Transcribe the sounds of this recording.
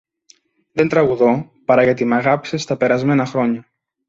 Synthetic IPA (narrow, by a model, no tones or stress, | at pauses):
ðe̞nt̪ɾɐɣuðo̞ | pɐɾɐʝɐt̪imɐɣɐpi̥se̞st̪ɐpe̞ɾɐzme̞nɐxɾo̞ɲɐ